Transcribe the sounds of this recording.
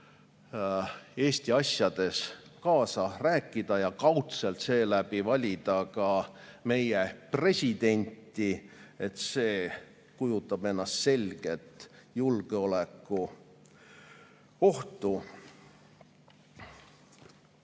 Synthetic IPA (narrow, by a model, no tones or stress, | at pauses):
e̞ːst̪iɑsjɑd̪̥e̞skɑːsɑræːkːˑid̪̥ɑjɑkɑwt̪se̞lt̪se̞ːlæb̥ivɑlʲid̪̥ɑkɑme̞jepre̞sʲid̪̥e̞nʲt̪ːˑie̞t̪se̞ː | kujut̪ːˑɑb̥e̞nːɑst̪se̞lʲɡ̥e̞t̪ːˑjulɡ̥eo̞lekːˑu | o̞ht̪u